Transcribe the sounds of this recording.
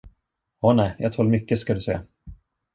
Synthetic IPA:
ɔːnɛːjʔɑ̰ːt̪ʰɔːlmʏkːəskad̪ɵsɛ̰ː

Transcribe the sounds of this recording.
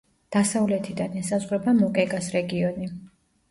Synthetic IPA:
d̪̥asavlɛt̪ʰid̪anɛsazʁɾɛbamɔkʼɛɡasɾɛɡiɔni

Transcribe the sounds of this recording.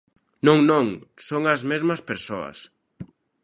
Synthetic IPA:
nõŋnõŋsoŋɐzmezmɐspeɾsoɐ̰s

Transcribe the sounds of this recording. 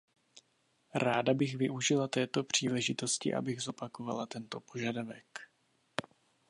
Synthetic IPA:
ɾaːdabɪɣvɪʔuʒɪlat̪ɛːt̪o̞pr̝̥iːlɛʒɪt̪o̞scɪ̰ʔa̰bɪɣzo̞pako̞va̰lat̪ɛnt̪o̞po̞ʒadavɛk

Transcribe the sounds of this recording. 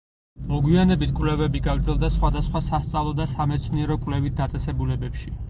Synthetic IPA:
mɔɡwianɛbit̪ʰkʼwlɛvɛbiɡaɡɾd̪zɛlˠd̪asχwad̪asχwasast̪sʼavlˠɔd̪asamɛt̪sʰniɛɾɔkʼwvlɛvit̪̚d̪at̪sʼɛsɛbulɛbɛpʃi

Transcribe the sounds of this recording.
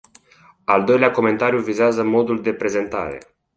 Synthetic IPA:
ald̪o̞jleako̞me̞nt̪aɾijuvizeazəmo̞d̪uld̪e̞pɾe̞ze̞nt̪a̰ɾe̞̰

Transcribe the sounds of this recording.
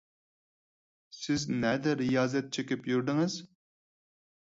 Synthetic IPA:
sɪznɛd̪ɛɾijɑːzɛt̪̚t͡ʃʰekʲipjyɾd̪ɪŋɪz

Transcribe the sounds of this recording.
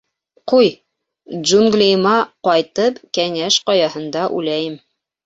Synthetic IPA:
quj | ʒuŋɡlʲejmɑqɒjt̪ɤpkæŋæʃqɑjɑhɤ̆nd̪ɑʔʉ̰læjɘm

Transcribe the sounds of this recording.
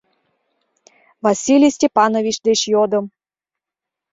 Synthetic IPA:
vasʲilʲijsʲtʲepɑnovʲit͡ɕd̪et͡ɕjod̪ɤ̆m

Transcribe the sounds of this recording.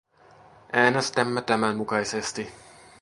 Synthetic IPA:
ʔæːnest̪æmːæt̪æmæmmukɑjsest̪i

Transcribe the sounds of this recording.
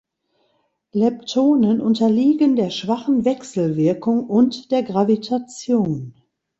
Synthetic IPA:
lɛptʰoːnənʔʊntɐliːɡəndeːɐʃv̥aχn̩vɛksl̩vɪɐkʰʊŋʊntd̥eːɐɡʁavitʰat͡sjoːn

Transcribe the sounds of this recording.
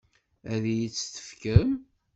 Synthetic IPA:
æðjit͡sːt̪ə̥fkəm

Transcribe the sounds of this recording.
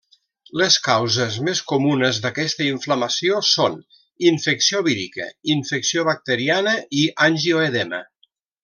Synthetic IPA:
ləskawzəzmeskumunəzðəkɛst̪əiɱfləməsioson | iɱfəksioβiɾḭkə̰iɱfəksioβək̚t̪əɾianəʔiʔanʲʒioeðɛmə̰

